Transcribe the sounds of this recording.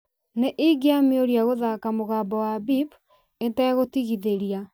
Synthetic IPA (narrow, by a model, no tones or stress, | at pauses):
neʔiɡeamioɾjaɣoðakamoɣaːbɔwabip | etɛɣotiɣiðeɾja